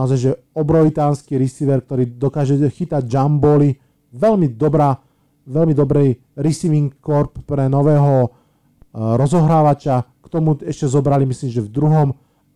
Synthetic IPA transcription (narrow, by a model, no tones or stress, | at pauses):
naɔzajʒɛ | ɔbɾɔit̪aːnskiːɾisiːʋɛɾk̚t̪ɔɾiːd̪ɔkaːʒɛxit̪aɟd͡ʒambɔli | ʋɛlmid̪ɔbɾaː | ʋɛlmid̪ɔbɾɛj | ɾisiʋiŋkːɔɾpːɾɛnɔʋɛːɦɔ | ɾɔzɔɦɾaːʋat͡ʃɪakt̪ɔmuɛʃcɛzɔbɾalimisliːmʒɛvd̪ɾuɦɔm